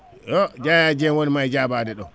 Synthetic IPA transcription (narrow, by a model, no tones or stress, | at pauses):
jɔd͡ʒajad͡ʒɛnwonimajd͡ʒabaːdɛɗɔ